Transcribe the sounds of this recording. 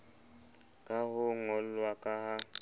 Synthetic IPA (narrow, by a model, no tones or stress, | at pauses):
kʼaɦʊŋɔlwakʼaɦa